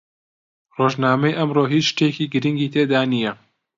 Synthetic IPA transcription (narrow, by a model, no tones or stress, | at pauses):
roːʒnaːmejʔɐmroːɦiːt͡ʃʃt̪ekiːɡɨɾiŋɡiːt̪ʰeːd̪aːnijɛ